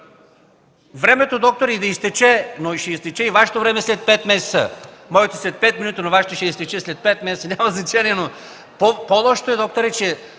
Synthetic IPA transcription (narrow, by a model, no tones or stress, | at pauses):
vɾɛmɛt̪od̪ɔk̚t̪oɾid̪ɐist̪ɛt͡ʃɛnoiʃɛist̪ɛt͡ʃɛivaʃɛ̥t̪ovɾɛmɛslɛt̪̚pɛt̪mɛsɛ̥t̪sə̰mɔjɛt̪oslɛt̪̚pɛt̪minut̪ənovaʃɛt̪oʃɛist̪ɛt͡ʃɛslɛt̪̚pɛt̪mɛsɛt̪ənʲamɐznɐt͡ʃaniɛno | popolˠɔʃt̪oɛd̪ɔk̚t̪oɾɛt͡ʃɛ